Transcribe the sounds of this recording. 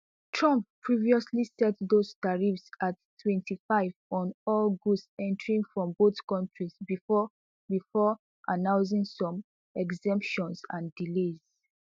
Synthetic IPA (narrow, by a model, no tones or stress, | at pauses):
tʰɹɔ̃mp̚pʰːɹiviɔslisɛtðostaɹifsattʰːwɛ̃ntʰifaɪvɔ̃nɔlɡusɛ̃ntəɹĩŋfɹɔ̃mboθkɔ̃ntʰɹizb | bifɔ | ʔanãʊ̃ns̬ĩŋsɔ̃m | ɛɡzɛ̃mpʃɔ̃nsã̰ndilez̥